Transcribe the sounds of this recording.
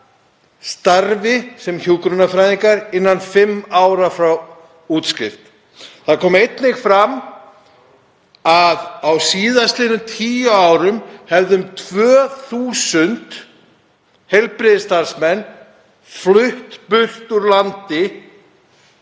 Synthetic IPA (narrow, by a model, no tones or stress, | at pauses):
st̪aɾvɪsɛmçuːlkɾʏnafɾajðiŋkaɾɪnːanfɪmːawɾafɾaw | uːt̪scɪft̪ | θaðkʰɔːmejt̪nɪxfɾam | aðawsiːðast̪lɪːnʏmt̪ʰiːjaawɾʏmhɛvðʏmt̪ʰvœːθuːsʏnt̪ | hejlpɾɪðɪst̪aɾ̥smɛnː | flʏht̪pʏr̥t̪uɾlant̪ɪ